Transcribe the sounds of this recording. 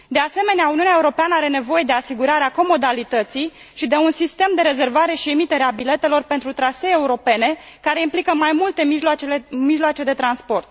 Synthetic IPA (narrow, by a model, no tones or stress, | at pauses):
d̪e̞ase̞me̞neauniunaeuɾo̞peanəaɾe̞ne̞vo̞je̞d̪e̞asiɡuɾaɾeako̞mo̞d̪alit̪ət̪sij | ʃid̪e̞unsist̪e̞md̪e̞ɾe̞ze̞rvaɾe̞ʃie̞mit̪e̞ɾeabile̞t̪e̞lo̞rpent̪ɾut̪ɾaseːuɾo̞pe̞ne̞ | kaɾe̞implikəmajmult̪e̞miʒt͡ʃeemiʒloat͡ʃe̞d̪e̞t̪ɾanspo̞rt̪̚